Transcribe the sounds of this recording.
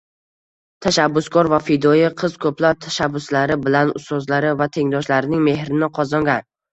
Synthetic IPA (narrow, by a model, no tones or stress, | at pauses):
t̪ʰaʃabːʊskʰɒɾvafid̪ɒjɪqʰɨz̥kʰɵplaɾ̚t̪ʰḁʃabːʊslaɾɪbɪlanʊ̰st̪ɒzlaɾɪvat̪ʰe̞ŋd̪ɒʃlaɾɪnɪŋme̞hɾɪnɪqʰɒzɒŋɡʲan